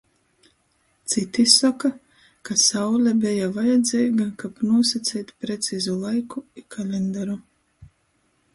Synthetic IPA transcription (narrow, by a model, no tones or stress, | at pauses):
t̪sit̪isaka | kasawlʲabɛjavajɛd̪zʲɛjɡankapnuɔsat̪sʲɛːjt̪pɾet̪siːzulˠajkuikʰalʲɛnd̪aɾu